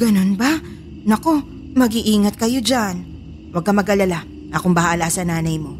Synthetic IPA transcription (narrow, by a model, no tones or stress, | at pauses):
ɡ̥ɐno̞nba | nɐko̞ | mɐɡiʔiːŋɐt̪̚kɐjo̞d͡ʒan | wɐɡ̚kːɐmɐɡʔɐlɐla | nɐkoŋbɐhaʔɐlasɐnaːnɐjmo̞